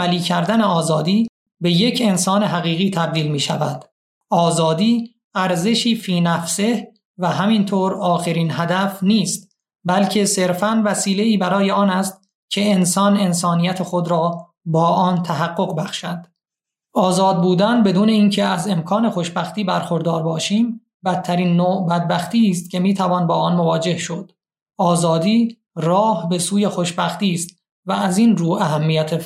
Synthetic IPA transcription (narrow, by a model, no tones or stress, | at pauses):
mæliːcʰæɾd̪æneɒːzɒːd̪iː | be̞je̞cʰe̞nsɒːne̞ɦæɣiːɣiːt̪ʰæb̚d̪iːlmiːʃævæd̪̥ | ʔɒːzɒːd̪iː | æɾze̞ʃiːfiːnæfse̞h | væɦæmint̪ʰoːɾɒːxe̞ɾiːnɦæd̪æfniːst̪̚ | bælcʰe̞se̞ɾfænvæsiːle̞iːbæɾɒːje̞ɒːnæst̪ | cʲʰe̞ensɒːne̞nsɒːnijæt̪ʰe̞xod̪ɾɒː | bɒːʔɒːnt̪ʰæɦæɡːo̞ɣbæxʃæd̪̥ | ɒːzɒːd̪̚buːd̪ænbe̞d̪uːne̞iːncʰe̞æze̞mkʰɒːne̞xo̞ʃbæxt̪iːbæɾxoɾd̪ɒːɾbɒːʃiːm | bæt̪ʰːæɾiːnːoːʔbæd̪̚bæxt̪iːst̪̚cʰe̞miːt̪ʰævɒːnbɒːɒːnmo̞vɒːd͡ʒe̞hʃod̪̥ | ɒːzɒːd̪iː | rɒːhbe̞suːje̞xoʃbæxt̪iːst̪ | vææziːnruːæɦæmːijæt̪ʰe